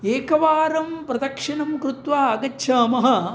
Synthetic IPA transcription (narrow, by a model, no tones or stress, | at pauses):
eːkɐʋaːɾɐmpɾɐd̪ɐkʂɐnɐmkɾut̪ʋaːɐɡɐtːʃʰaːmɐɦɐ